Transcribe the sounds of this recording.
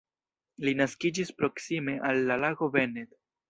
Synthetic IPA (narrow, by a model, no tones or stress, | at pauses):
linaskid͡ʒispɾo̞ksime̞ʔalːalaɡo̞ve̞ned